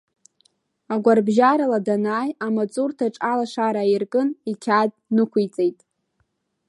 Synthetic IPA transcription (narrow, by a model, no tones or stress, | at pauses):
aɡʷarbʒaɾaladanaːjamat͡sʼurtʰaʈ͡ʂʼalaʂaɾairkʼɨnikʲʰad̚ | nɨkʷʰujt͡sʼejtʼ